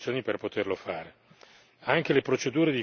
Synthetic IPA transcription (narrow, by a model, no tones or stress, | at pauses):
sjoːniperpot̪erlofaːɾe | aŋkelepɾot͡ʃed̪uːɾed̪i